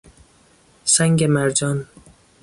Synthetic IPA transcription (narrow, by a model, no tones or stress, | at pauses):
sæŋɡemæɾd͡ʒɒːn